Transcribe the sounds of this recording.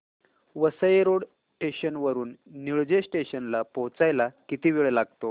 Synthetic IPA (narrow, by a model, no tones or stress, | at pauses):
ʋəsəjeɾoɽ | sʈeɕənʋəɾuːnːiɭd͡ʑesʈeɕənlapõwt͡sajlakit̪iːʋiɭelaɡ̚t̪o